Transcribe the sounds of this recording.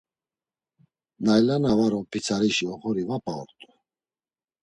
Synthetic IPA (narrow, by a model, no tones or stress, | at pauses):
najlanavaɾɔpʰit͡sʰaɾiʃiɔχɔɾivapʼaɔ̰ɾt̪ʼu